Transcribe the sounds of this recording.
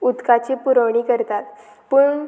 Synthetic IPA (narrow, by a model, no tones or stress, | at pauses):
ud̪kat͡ɕipuɾəʋɳiːkəɾt̪at̪ | pəɳ